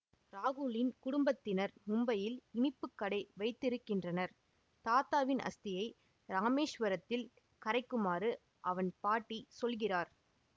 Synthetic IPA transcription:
ɾaːɣʊlɪnkʊɽʊmbɐt̪ːɪnɐɾmʊmbɐjɪlɪɳɪpːɯkːɐɽɐɪʋɐɪt̪ːɪɾɯkːɪndrɐnɐɾ | t̪aːt̪aːʋɪnɐ̰st̪ɪjɐɪ | ɾaːmeːʂʋɐɾɐt̪ːɪl | kɐɾɐɪkːɯmaːɾɯ | ʔɐʋɐnpaːʈːisɔlɣɪraːɾ

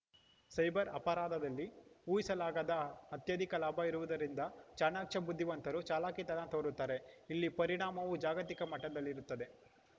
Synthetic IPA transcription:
sɐjbɐɾɐ̰pɐɾaːd̪ɐd̪ɐlːiuːjisɐlaːɡaːd̪ɐɐt̪jɐd̪ʱikɐlaːbʱɐiɾuʋud̪ɐɾind̪ɐt͡ʃaːnaːkʂɐbud̪ʱːiʋɐnt̪ɐɾut͡ʃaːlaːkit̪ɐnat̪oːɾut̪ːaːɾe̞ilːipɐɾiɳaːmɐʋud͡ʒaːɡɐt̪ikɐmɐʈːɐd̪ɐlːiɾut̪ːɐd̪e̞

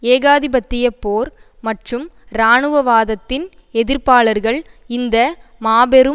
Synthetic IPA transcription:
eːɣaːðɪbɐt̪ːɪjɐpːoːɾ | mɐʈrɯm | ɾaːɳɯʋɐʋaːðɐt̪ːɪn | ɛðɪɾpaːɭɐɾɣɐɭɪnd̪ɐmaːbɛɾɯ

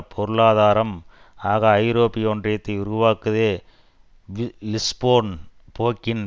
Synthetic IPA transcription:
pʰɔɾɯlaːðaːɾɐm | aːɣɐːɪɾoːpːɪjɔndrɐt̪ːɐɪʊɾʊʋaːkɯðeː | ʋlɪspoːnpʰoːkːɪn

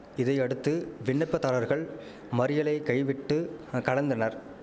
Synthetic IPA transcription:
ɪðɐɪɐɽɯt̪ːɯʋɪɳːɐɪpːɐt̪ːɐlɐɾɣɐɭ | mɐɾɪjɐlɐɪkɐjʋɪʈːɯkɐɻɐnd̪ɐnɐɾ

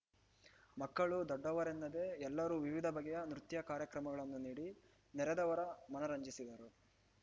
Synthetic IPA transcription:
mɐkːɐɭud̪ɔɖːɐʋɐɾɛnːɐd̪eɛlːɐɾuːʋiʋid̪ʱɐbɐɡɛjɐnɾut̪jɐkaːɾjɐkɾɐmɐɡɐɭɐnːuniːɽi | nɛɾɛd̪ɐʋɐɾɐmɐnɐɾɐɲd͡ʒisid̪ɐɾu

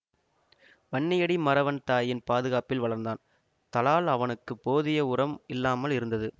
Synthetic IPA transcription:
ʋɐɳːɪjɐɽimɐɾɐʋɐnt̪aːjɪnpaːðɯɣaːpɪlʋɐɭɐɾnd̪aːn | t̪ɐlaːlɐʋɐnɯkːɯpːoːðɪjɐʊɾɐmɪlːaːmɐlɪɾɯnd̪ɐðɯ

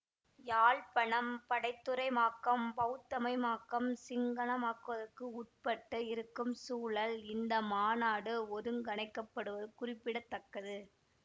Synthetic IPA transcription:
jaːɭpɐɳɐmpɐɽɐɪt̪ːɯɾɐɪmaːkːɐmbɐʊt̪ːɐmɐɪmaːkːɐmsɪŋɡɐɳɐmaːkːɯʋɐðɐrkːɯʊʈ̚pɐʈːɐɪɾɯkːɯmsuːɭɐlɪnd̪ɐmaːnaːɽɯɔɾɯŋɡɐɳɐɪkːɐpːɐɽɯʋɐðɯkʊrɪpːɪɽɐt̪ːɐkːɐðɯ

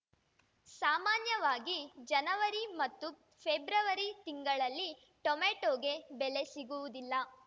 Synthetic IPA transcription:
saːmaːnjɐʋaːɡid͡ʒɐnɐʋɐɾimɐt̪ːu | pʰebɾɐʋɐɾit̪iŋɡɐɭɐlːi | ʈɔmeːʈoːɡe̞bɛle̞siɡuʋud̪ilːɐ

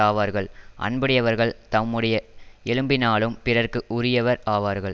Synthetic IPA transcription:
aːʋaːɾɣɐɭʔɐ̰ɳbɐɽɪjɐʋɐɾɣɐɭt̪ɐmːɯɽɐjɐɛlɯmbɪnaːɭɯmpɪrɐɾkɯʔʊɾɪjɐʋɐɾaːʋaːɾɣɐɭ

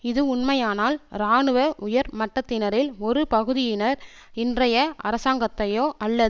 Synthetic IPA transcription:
ɪðɯʊɳmɐjaːnaːlɾaːɳɯʋɐʔʊjɐɾmɐʈːɐt̪ːɪnɐɾɪlɔɾɯpɐɣɯðɪjɪnɐɾ | ɪndrɐjɐʔɐ̰ɾɐsaːŋɡɐt̪ːɐjoːʔɐlːɐð

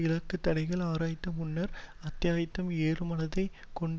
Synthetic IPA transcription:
ɪɭɐkːɯt̪ːɐɽɐɪɣɐɭaːɾaːjɪt̪ːɐmʊnːɐɾɐt̪ːjaːjɪt̪ːɐmeːrɯmɐnɐðɐɪ | kɔɳɖ

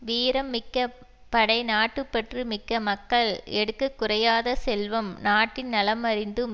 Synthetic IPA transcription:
ʋiːɾɐmːɪkːɐ | pːɐɽɐɪnaːʈːɯpːɐʈrɯmɪkːɐmɐkːɐɭɛɽɯkːɐkːʊrɐjaːðɐsɛlʋɐmnaːʈːɪnnɐlɐmɐɾɪnd̪ɯm

